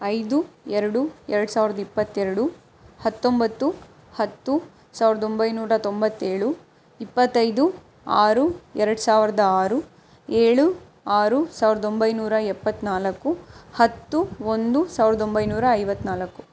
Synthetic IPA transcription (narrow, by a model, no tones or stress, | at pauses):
ɐjd̪uɛɾɐɽuɛɾɐɽusaːʋiɾɐd̪ɐipːɐt̪ːɛɾɐɽu | hɐt̪ːo̞mbɐt̪ːu | hɐt̪ːu | saːʋɾɐd̪o̞mbɐjnuːɾɐt̪ombɐt̪ːeːɭu | ipːɐt̪ːɐjd̪u | aːɾuɛɾɐɽusaːʋiɾɐd̪ɐaːɾu | eːɭu | aːɾusaːʋɾɐd̪o̞mbɐjnuːɾɐɛpːɐt̪ːnaːlɐkːuhɐt̪ːuond̪usaːʋiɾɐd̪o̞mbɐjnuːɾɐːjʋɐt̪ːnaːlɐkːu